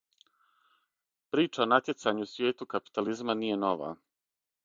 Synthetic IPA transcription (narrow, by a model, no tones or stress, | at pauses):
pɾiːt͡ʃaonat̪je̞t̪saɲusʋjeːt̪ukapi̥t̪alizmanije̞no̞ʋa̰ː